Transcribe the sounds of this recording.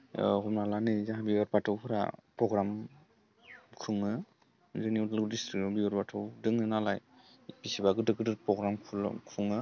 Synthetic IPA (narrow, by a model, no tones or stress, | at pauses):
hɔpnalanɯzaɦabiwaɾpatʰɯwkʰɯɾa̰pɾɔɡɾam | kʰɯŋɯ | zɯnwdldistɾik̚ɔbiwaɾpatʰɯwdɯŋɯnalaj | pisibaɡɯdɯɡɯdɯpɾɔɡɾamkʰl̰kʰuŋɯ